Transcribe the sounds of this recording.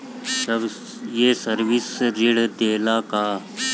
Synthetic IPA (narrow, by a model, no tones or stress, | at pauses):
səb | jeːsəɾʋɪsɾɪɽd̪eːlakaː